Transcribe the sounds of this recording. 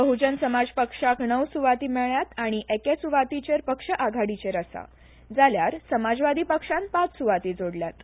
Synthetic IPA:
bəɦud͡ʑənsəmad͡zpəkʂaknəwsuʋat̪iːmɛɭjat̪aɽ̃iʔekesuʋat̪it͡ɕeɾpəkʂəʔaɡʱaɽit͡ɕeɾəsa̰ | d͡zaljaɾsəmad͡zʋad̪ʱiːpəkʂãnpat͡ssuʋat̪id͡zoɽljat̪

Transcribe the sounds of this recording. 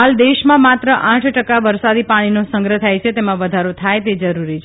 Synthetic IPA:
ɦald̪eʃmãmat̪ɾəʔãʈʰʈəkaʋəɾsad̪ipaɽ̃inosə̃ŋɡɾət̪ʰajt͡ʃʰet̪emãʋəd̪ʱaɾot̪ʰajt̪ed͡ʒəɾuɾit͡ʃʰ

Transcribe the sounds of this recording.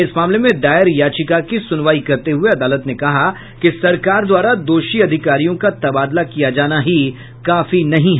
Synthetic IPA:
ɪsmaːmlemẽd̪aːɪɾjaːt͡ʃɪkakisʊnʋaːikɐɾt̪eɦʊeɐd̪aːlət̪nekɐɦa | kisɐɾkaːɾd̪waːɾad̪oːʃiɐd̪ʱɪkaːɾijõkat̪ɐbaːd̪lakijad͡ʒaːnaɦi | kaːfinɐɦĩɦ

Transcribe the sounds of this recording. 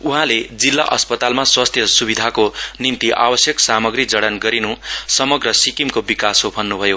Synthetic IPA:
uɦãled͡zilːa̰ʔʌspʌt̪almaswast̪ʰjʌsubid̪ʱakonimt̪iʔa̰bʌsjʌksamʌɡɾid͡zʌɽʌnɡʌɾinusʌmʌɡrʌsikimkobikasobʱʌnːubʱʌjo

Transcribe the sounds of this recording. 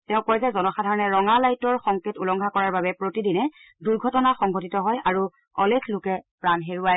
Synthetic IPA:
tɛʊ̃kojzɛzɔnɔxadʱaɹɔnɛɹɔŋalajtɔɹxɔŋketulɔŋɡʱakɔɹaɹbabɛpɹotidinɛ | duɹɡʱɔtɔnaxɔŋɡʱotitɔɦɔjaɹu | ɔlekʰlokɛpɹanɦeɹuaj

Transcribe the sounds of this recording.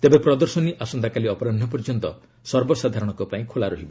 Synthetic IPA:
t̪ebepɾɔd̪ɔɾsɔniʔasɔnd̪akaliɔpɔɾanʱːɔpɔɾd͡ʒɔnt̪ɔ | sɔɾbɔsad̪ʱaɾɔɽ̃ɔŋkupaĩkʰolaɾɔɦibɔ

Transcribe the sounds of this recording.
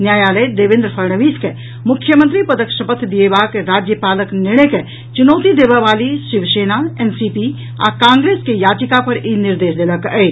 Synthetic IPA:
njaːjaːləjd̪eːʋɪ̃nd̪ɾəpʰɐɾɳəʋiːske | mʊkʰːjəmə̃nt̪ɾipɐd̪əkʃəpət̪ʰd̪iebaːkeɾaːd͡ʒjəpaːləknɪɽ̃eke | t͡ʃʊnoːt̪id̪eːʋəʋaːliʃɪʋʃeːnaɛːnsipi | a̰kãːŋɡɾeːskejaːd͡ʒɪkapɐɾinɪɾd̪eːʃd̪eːləkɛe

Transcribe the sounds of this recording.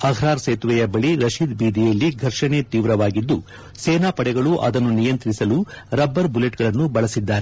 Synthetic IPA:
ɐɡʱɾaːɾseːt̪ʋɛjɐbɐɭiɾɐʃiːd̪biːd̪ijɐlːiɡʱɐɾʂɐnet̪iːʋɾɐʋaːɡid̪ːu | seːnaːpɐɽɛɡɐɭuʔɐ̰d̪ɐnːunijɐnt̪ɾisɐluɾɐbːɐɾbule̞ʈɡɐɭɐnːubɐɭɐsid̪ːaːɾe

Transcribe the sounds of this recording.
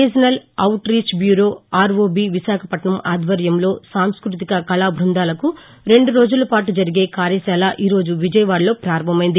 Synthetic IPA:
ed͡ʒɐnɐlɐwʈɾiːt͡ʃbjuːɾoːaːɾʋoːbiːʋisaːkʰɐpɐʈɳɐmaːd̪ʋɐɾjɐmlo̞ːsaːmskɾut̪ikɐkɐlaːbʱɾund̪aːlɐku | ɾe̞ɳɖuɾo̞ːd͡ʒulɐpaːʈud͡ʒɐɾiɡe̞ːkaːɾjɐsaːlaːʔiːɾo̞ːd͡ʒuʋid͡ʒɐjɐʋaːɽlo̞ːpɾaːɾɐmʱɐmɐjind̪i

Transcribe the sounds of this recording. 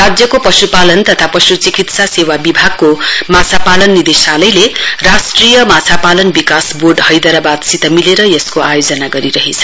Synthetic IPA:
rad͡zjʌkopʌsupalʌnt̪ʌt̪ʰapʌsut͡sikit̪sasewabibʱaɡ̚komat͡sʰapalʌnːid̪esalʌjlerasʈrijʌmat͡sʰapalʌnbikasborɖhʌjd̪ʌɾabad̪sit̪ʌmileɾʌjʌskoajod͡zʌnaɡʌɾiɾʌɦet͡sʰʌ̥

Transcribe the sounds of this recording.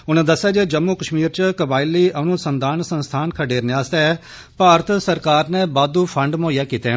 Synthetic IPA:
ʊnɛ̃ːd̪əsːjaːd͡ʒeːd͡ʒəmːukəʃmiːɾt͡ʃkəbaːiliːʔənʊsənd̪ʱaːnsənst̪ʰaːnkʰəɖeːɾnaːst̪ɛː | paːɾət̪ʰsəɾkaːɾnɛːbaːd̪upʰəɳɖmõːijaːkiːt̪e

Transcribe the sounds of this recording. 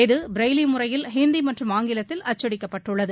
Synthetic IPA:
eðɯbɪɾɐɪlimʊrɐjɪlɦeːnd̪imɐʈrɯmaːŋɡɪlɐt̪ːɪlɐt͡ʃːɐɽɪkːɐpːɐʈːɯɭːɐðɯ

